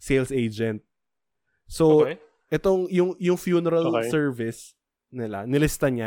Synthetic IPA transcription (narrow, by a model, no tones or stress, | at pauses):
sejlsejd͡ʒɛnt̪̚ | so | ʔɛt̪o̞ŋjʊŋjʊŋfjuːnɛɾalsɛɹvɪs | nɪla̰nɪlɪst̪aɲa